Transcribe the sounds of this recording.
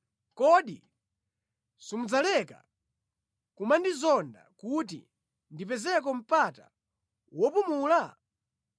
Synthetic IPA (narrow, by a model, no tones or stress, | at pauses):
kɔɗi | sumud͡zalɛka̰ | kumandizɔnda̰kut̬ḭ | ndipɛzɛk̬ɔm̩pata̰ | wɔpumuːla